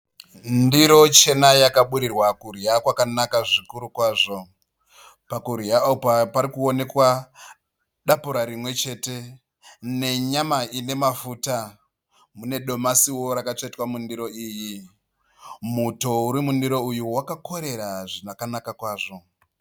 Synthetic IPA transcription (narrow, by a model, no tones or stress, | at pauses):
ndiɾo̞t͡ʃe̞najakaɓuɾirwakurjakwakanakaʐikuɾukwaːʐo̞ | pakuɾjapapaɾikuo̞ne̞kwa | ɗapuɾaɾimwe̞t͡ʃe̞ːte̞ | ne̞ɲamaine̞mafuta | mune̞ɗo̞masiwo̞ɾakat͡ʂaitwamundiɾo̞iːji | muto̞uɾimundiɾo̞ujuwakako̞ɾe̞ɾaʐinakanakakwaːʐo̞